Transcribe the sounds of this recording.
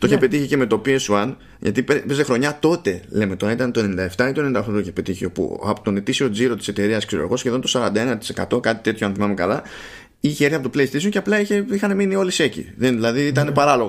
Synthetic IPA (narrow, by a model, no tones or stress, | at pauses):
t̪oiçepe̞t̪içice̞me̞t̪o̞piesuɐn | ʝɐ̰t̪ipepezexɾo̞ɲɐt̪o̞t̪e̞le̞met̪o̞ɾɐit̪ɐnt̪oe̞nenind̪ɐeft̪ɐit̪ond̪ɐft̪ot̪oiçepe̞t̪içio̞pṵɐ̰pot̪o̞ne̞t̪isio̞d͡ziɾo̞t̪i̥se̞t̪e̞ɾiɐskseɾo̰ɣo̞sçe̞ðont̪osɐɾɐnd̪ɐe̞nɐt̪i̥se̞kɐt̪o̞kɐt̪i̥t̪e̞t̪çoɐnθimɐmekɐlɐ | içeeɾiɐpot̪opleist̪isoceɐplɐiçe̞ixɐne̞minio̞lise̞cḭðenðilɐðiit̪ɐnepɐɾɐlo̞ɣ